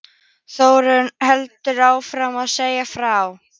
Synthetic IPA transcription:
θoːwɾʏnhɛlt̪ʏɾaːwfɾamaðseːjafɾaw

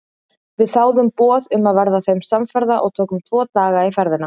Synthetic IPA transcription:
vɪðθaːwðʏmpɔːðʏmaðvɛɾðaθejmsamfɛɾðaʔɔ̰ɣt̪ʰoːwkʏmt̪ʰvɔːt̪aːɣaifɛɾðɪna

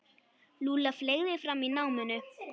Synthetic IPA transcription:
luːlafleːɣðɪfɾamːinawmʏnʏ

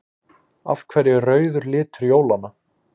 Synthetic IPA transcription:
a̰fkʰvɛɾjɪrœːɥðʏɾlɪːt̪ʏɾjoːwlana

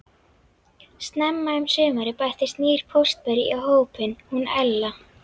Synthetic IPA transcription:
st̪nɛmːaɪmsʏːmaɾɪpajht̪ɪst̪niːɾ̥pʰowst̪̚pɛɾiaɦoːwpɪnhunɛlːa

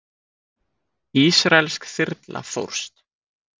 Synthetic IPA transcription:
iːsɾaɛlskθɪɾt̪lʔa̰fo̰wɾ̥st̪

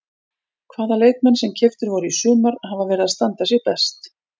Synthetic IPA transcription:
kʰvaːðaleːjt̪̚mɛnːsɛmcʰɪft̪ʏɾvɔɾʏisʏːmaɾhavavɛːɾɪðaðst̪ant̪asjɛɣpɛst̪

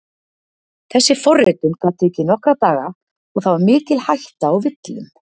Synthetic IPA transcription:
θɛsːɪfɔrːɪt̪ʏmkaːt̪ɛcːɪnɔhkɾat̪aːɣa | ɔɣθawvaɾmɪːcɪlhajht̪aːwvɪt̪lɪm

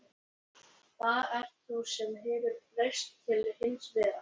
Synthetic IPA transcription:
θaðɛr̥t̪θusɛmɦɛːvɪɾrejst̪ʰːɪlhɪnsvɛːða

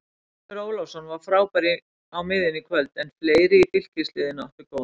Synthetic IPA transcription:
ʏɾoːwlawsɔnvaɾ̥fɾaːwpaɾɪ | awmɪðɪnikʰvœlt̪ɛnfleːjɾɪit̪ɪl̥cɪslɪːðɪnaɔhp̪ɪɾkow

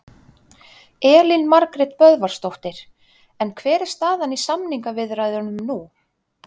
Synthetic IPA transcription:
ɛːlinmaɾkɾɛt̪pœðvaɾ̥st̪owht̪ɪɾ̥ | ɛnkʰvɛːɾɪ̥st̪θaːðanisamniŋkavɪðrajðʏnʏmnu

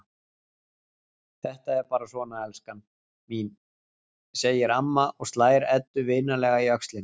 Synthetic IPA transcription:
θɛht̪aɛɾpaːɾasvɔːnaɛlskan | min | seːjɪɾamːaɔɣst̪laːjɾɛt̪ːʏvɪːnalɛːɣaiœkst̪lɪn

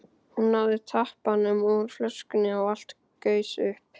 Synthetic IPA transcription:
hunːaðɪt̪ʰahpanʏmɔɾflœ̥skʏnɪawal̥t̪ | kœːɥsʏhp

